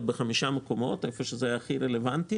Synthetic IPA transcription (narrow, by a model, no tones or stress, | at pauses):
t̚beχamiʃamekomo̞t̪ajefoʃezeajaχiɾelevant̪i